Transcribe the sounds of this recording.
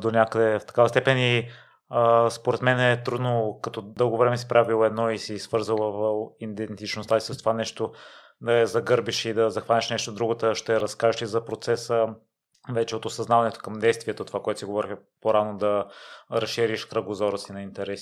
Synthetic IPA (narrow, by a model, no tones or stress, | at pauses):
d̪onʲakəd̪ɛft̪ɐ̥kavəst̪ɛpɛni | spoɾɛt̪mɛnɛt̪ɾud̪nokɐt̪ɔd̪ɤlˠɡovɾɛmɛsi̥pɾavilˠoɛd̪nɔisisv̥ɤɾzəlˠvind̪ɛnt̪it͡ʃnost̪aisəst̪ovanɛʃt̪o | d̪ɐɛzɐɡɤɾbiʃid̪ɐzɐxvanʲɛʃnɛʃt̪od̪ɾuɡot̪əʃt̪ɛɾɐskaʒʃlizɐpɾot̪sɛsə | vɛt͡ʃɛot̪osɐznavɐnɛt̪o̥kɐmd̪ɛjst̪viɛt̪ot̪ovakoɛt̪o̥siɡovɔɾixpoɾanod̪ɐɾɐsʃiɾiʃkɾəɡozɔɾəsinɐint̪ɛɾɛsi